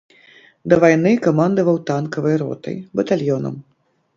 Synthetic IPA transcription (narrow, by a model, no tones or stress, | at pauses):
d̪ɐvajnɨkamand̪ɐvɐwt̪ankɐvɨjɾɔ̰t̪ɐ̰jbɐt̪alʲjɔnɐ̰m